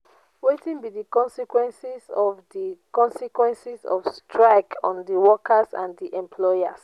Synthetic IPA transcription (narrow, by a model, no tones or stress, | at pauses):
wetĩnbidikɔ̃nsikwɛ̃nsizɔvdikɔ̃nsikwɛ̃nsizɔ̰fstʰɹaɪkʰɔ̰̃ndəwɔkʰəzã̰ndiʔɛ̃mpʰlɔjas